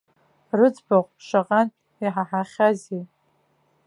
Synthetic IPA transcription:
rɨd͡zbaχʷʼʂaqʼan | iħaħaχʲazi

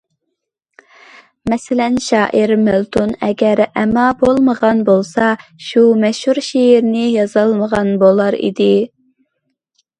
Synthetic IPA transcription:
mɛsɪlɛnʃɑːʔɪɾmelˠt̪ʰunɛɡʲɛɾɛmːɑbolˠməʁɑnbolˠsɑʃumɛʃhuɾʃejiɾnɪjɑzɑlˠməʁɑnbolˠɑɾḭd̪ɪ

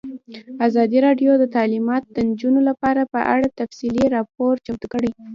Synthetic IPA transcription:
azɑd̪iɾɑɖjod̪ət̪ɑlimɑt̪d̪ənd͡ʒunolapɑɾapə̰ʔa̰ɽat̪afsiliɾɑpoɾt͡ʃapt̪kəɽej

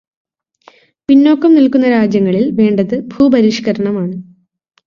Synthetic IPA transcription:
pinːo̞ːkːɐmnilkunːɐɾaːd͡ʑjɐŋːɐɭilʋe̞ːɳɖɐðɨbʱuːbɐɾiʂkɐɾɐɳɐmaːɳɨ

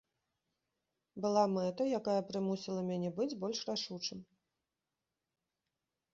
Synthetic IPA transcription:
bɨlˠamɛt̪ɐjakajɐpɾɨmusʲilˠɐmʲanʲɛbɨd͡zʲbɔlʲʂraʂut͡ʂɨm

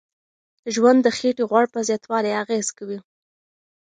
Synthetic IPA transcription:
d̪̥əʒwand̪ːəxeʈiɣwaɽpəzjɑt̪wɑlajaɣez̥kawi

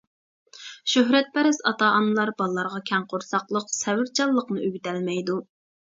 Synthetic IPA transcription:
ʃøɦɾɛt̪̚pʰɛɾɪsɑt̪ɑʔɑnɨlˠɑɾbɑlˠlːɑɾʁɑkʲʰɛŋqʰoɾsɑqlˠəqsɛwɪɾt͡ʃʰɑlˠːəqnɨøɡʲyt̪ælmɛjd̪u

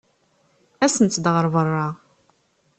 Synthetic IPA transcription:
æsənt̪ːd̪ʁəɾˤvərˤːɑ

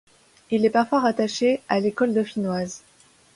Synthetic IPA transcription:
ilɛpaʁfwaʁat̪aʃealekɔld̪ɔfinwaz

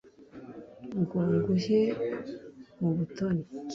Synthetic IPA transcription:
ŋɡoːŋɡuʒe | muβutoni

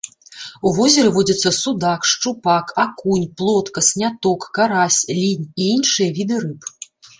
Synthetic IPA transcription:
uvɔzʲɐɾɛvɔd͡zʲɐt̪sːɐsud̪akʂt͡ʂupakakunʲplˠɔt̪kɐsʲnʲat̪ɔkːaɾasʲlʲinʲiinʂɨjɐvʲid̪ɨɾɨp

